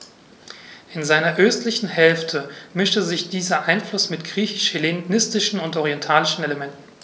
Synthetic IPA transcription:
ʔɪnzaɪnɐʔøːstlɪçn̩hɛlftʰəmɪʃtəzɪçd̥iːzɐʔaɪnflʊsmɪtɡ̥ʁiːçɪ̥ʃhelenɪstɪʃn̩ʊntɔʁ̞iɛntʰaːlɪʃn̩eləmɛntn̩

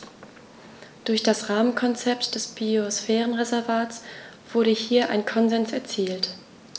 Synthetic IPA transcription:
d̥ʊɐçd̥asʁaːmənkʰɔnt͡sɛptd̥ɛsb̥iosfɛːʁənʁezɛɐvaːtsv̥ʊɐɾəhiːɐʔa̰ɪnkʰɔnzɛnsɛɐt͡siːlt

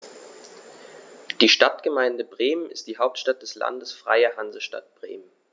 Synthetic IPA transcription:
d̥iːʃtatɡ̥əmaɪndəbʁeːmənɪstd̥iːɦaʊp̚tʃtat̚d̥ɛsla̰ndəsfʁ̥a̰ɪɐhanzəʃta̰t̚b̥ʁḛːmən

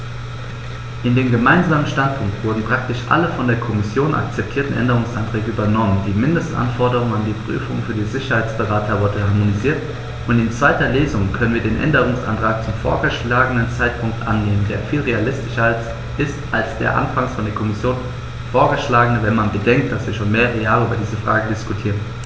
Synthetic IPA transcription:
ʔɪndeːmɡəmaɪnzaːmənʃtantpʰʊŋk̚tv̥ʊɐdn̩pʁ̥ak̚tɪʃʔa̰ləfɔndeːɐkʰɔmɪsjoːnʔa̰k̚t͡sɛp̚tʰiːɐtn̩ʔɛ̰ndəʁ̞ʊŋsʔa̰ntʁ̥ɛːɡəʔyːbɐnɔməndiːmɪndəstʔa̰nfɔɐdəʁ̞ʊŋandiːpʁ̥y̰ːfʊŋfyːɐdiːzɪçɐhaɪt͡sb̥əʁaːtʰɐvʊɐdəhaɐmoniziːɐt | ʔʊntɪnt͡sv̥aɪtɐleːzʊŋkʰœnənviɐdeːnʔɛ̰ndəʁ̞ʊŋsʔa̰ntʁ̥aːk̚t͡sʊmfo̰ːɐɡəʃlaːɡənənt͡saɪtpʰʊŋk̚tʔa̰nːeːməndeːɐfiːlʁealɪstɪʃals | ʔɪstʔalsd̥ḛːɐʔa̰nfaŋsfɔndeːɐkʰɔmɪsjoːn | foːɐɡəʃlaːɡənəvɛnmanbədɛŋk̚t̚d̥asv̥iːɐʃoːnmeːɐʁejaːlyːbɐdiːzəfʁ̥a̰ːɡədɪskutʰiːʁən

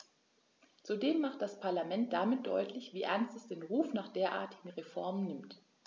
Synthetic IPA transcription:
t͡sudeːmːaχt̚d̥aspʰaɐlamɛnt̚d̥amɪt̚d̥ɔ̰ʏtʰlɪçv̥iːʔɛɐnstɛsd̥eːnʁuːfnaːχd̥eːɐʔa̰ːɐtʰɪ̥ɡŋ̩ʁefɔɐmənːɪmt

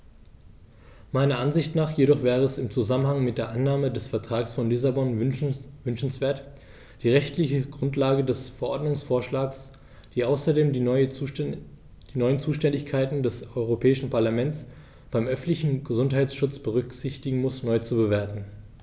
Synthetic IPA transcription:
maɪnɐʔanzɪçtnaːχjeɾɔχv̥ɛːʁəɛsɪmt͡suzamənhaŋmɪt̚d̥eːɐʔanːaːmədɛsfɛɐtʁ̥aːksfɔnlɪsabɔnvʏnʃn̩sv̥eːɐt | d̥iːʁɛçtlɪçəɡʁʊntlaːɡədɛsfɛɐʔɔɐdnʊŋsfoːɐʃlaːks | d̥iːʔaʊsɐdeːm | d̥iːnɔʏənt͡suːʃtɛndɪçkʰaɪtn̩dɛsʔɔʏʁopʰɛːɪʃn̩paɐlamɛnt͡s | b̥aɪmʔœfn̩tlɪçn̩ɡəzʊntɦaɪt͡ssʃʊt͡sb̥əʁ̞ʏkz̥ɪçtɪɡŋ̩mʊsnɔʏt͡subəveːɐtn̩

